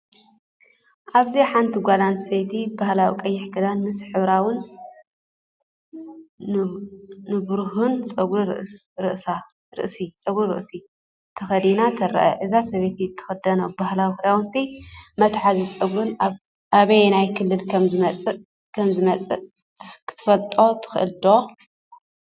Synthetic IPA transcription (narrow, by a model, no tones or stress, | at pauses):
ʔaβziħant̪ʰiɡʷalanset̪ʰibahlawikʼɐjːɪħkɨd̪anmɨsħɨβɾawɨn | nɨbɾuɦunt͡sʼɐɡɾuɾ̰ɾɨ̰ʔsa | ɾɨ̰ʔsit͡sʼɐɡɾuɾɨ̰ʔsi | t̪ʰɐxɐd̪inat̪ʰɐɾɐ̰ʔɐ̰ʔɨzasɐβet̪ʰit̪ʰɐ̥xɐd̪ɐnobahlawixɨd̪awɨnt̪ʰimɐt̪ħazit͡sʼɐɡɾɨna | aβɐjnajkʰɨlːɨlkʰɐmzɨmɐt͡sʼɨ | kʰɐmzɨmɐt͡sʼɨ | kʰɨ̥t̪ʰɨfɐlt̪ʼo̞t̪ʰɨ̥xɨʔɨ̰ld̪o̞